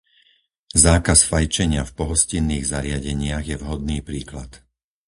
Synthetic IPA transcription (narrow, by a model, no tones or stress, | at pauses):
zaːkasfajt͡ʃɛɲɪafpɔɦɔscinːiːɣzaɾɪaɟɛɲɪaɣjɛvɦɔd̪̚niːpɾiːkla̰t̪